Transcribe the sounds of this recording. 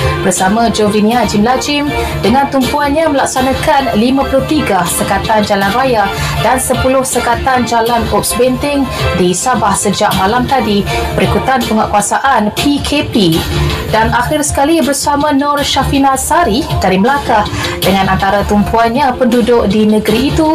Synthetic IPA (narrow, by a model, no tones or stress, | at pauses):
bərsamãd͡ʒovɾinĩad͡ʒimlad͡ʒɪm | dəŋãnt̪umpuanɲãməlak̚sanãkanlimãpulʊht̪iɡasəkat̪and͡ʒalanraja | dansəpulʊhsəkat̪and͡ʒalanop̚sbɛnt̪ɪŋdisabahsəd͡ʒaʔ̚mãlamt̪adibəɾikut̪anpəŋaʔkuasaʔanpikʰepidanaxɪrsə̥kalibərsamãnɔrʃafinasaɾikaɾiməlakah | dəŋãnant̪aɾat̪umpuanɲapəndudʊk̚dinəɡəɾiːt̪u